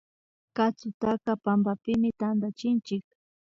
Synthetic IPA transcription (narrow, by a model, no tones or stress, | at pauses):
kat͡sʊt̪akapambapɪmɪt̪and̪at͡ʃɪnt͡ʃɪk̚